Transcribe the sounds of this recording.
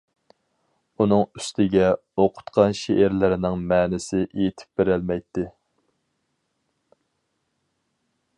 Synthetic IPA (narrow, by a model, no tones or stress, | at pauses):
unɨŋy̥st̪ʰɪɡʲɛ | oqʰʊ̥t̪qʰɑnʃeʔæɾlɪɾɪnɪŋmɛːnɪsɪʔejit̪ʰɪ̥p̚beɾælmɛjt̪ʰːɪ